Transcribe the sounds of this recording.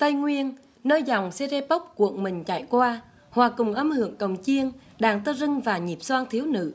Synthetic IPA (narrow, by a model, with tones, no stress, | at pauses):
t̪a˧jŋwi˧ən | nəː˧jza˨˩wŋ͡mse˧ze˧pə˦˥k͡p̚kṵ˧˨ənmï˨˩ŋ̟t͡ɕa̰˧˩jkwaː˧ | hwaː˨˩kʊ˨˩ŋ͡mʔə˧mhɨ̰˧˨əŋkə˨˩wŋ͡mt͡ɕi˧ən | ɗaː˨˩ŋt̪əː˧zɨ˧ŋvaː˨˩ɲi˨˩p̚swaː˧ŋt̪ʰi˨˦əwnɨ̰˧˨